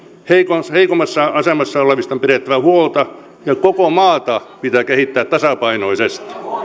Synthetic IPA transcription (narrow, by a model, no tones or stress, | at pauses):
heikosheikomɑsːɑʔɑsemɑsːɑoleʋist̪ɑmpiret̪ːæʋæhuolt̪ɑ | jɑkokomɑːt̪ɑpit̪æːkehit̪ːæːt̪t̪ɑsɑpɑinoisest̪i̥